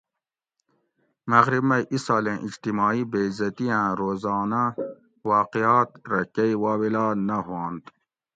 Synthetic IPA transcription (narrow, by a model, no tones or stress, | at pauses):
mɐɣɾibmɐjʔisaːlẽːʔid͡ʑt̪imɑːibeːzɐt̪iãːɾoːzɑːna | wɑːqijaːt̪ɾɐkɐiwaːwilɑːnɐɦõːnd̪